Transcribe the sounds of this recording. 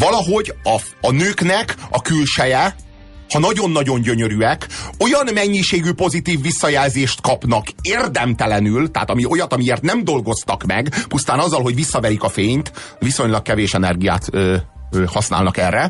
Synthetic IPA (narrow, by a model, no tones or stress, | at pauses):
vɒlɒɦo̞ɟɒɒnøːknɛkɒ̰kylʃɛjɛ | hɒnɒɟo̞nːɒɟo̞ɲɟøɲøɾyɛko̞jɒnmɛɲːiʃeːɡypo̞zit̪iːvːisːɒjɛlzeːʃt̪kɒpnɒkeːrd̪ɛmt̪ɛlɛnylt̪ɛaːt̪ɒmio̞jɒt̪ɒmieːrt̪nɛmd̪o̞lɡo̞st̪ɒkmɛ̰ɡpust̪aːnɒzːɒlɦo̞ɟʋisːɒvɛɾikɒfeːɲt̪ | viso̞ɲlɒkkɛveːʃɛnɛrɡija̰ːt̪øhɒsna̰ːlnɒkɛrːɛ